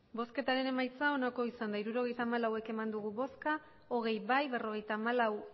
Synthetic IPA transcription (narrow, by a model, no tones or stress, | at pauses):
bo̞ske̞t̪aɾe̞ne̞majt͡sao̞nako̞isand̪aiɾuɾo̞ɣ̞e̞jt̪aːmalawe̞ke̞mand̪uɣuβo̞ska | o̞ɣ̞e̞jbajβe̞ro̞ɣ̞e̞jt̪aːmalaw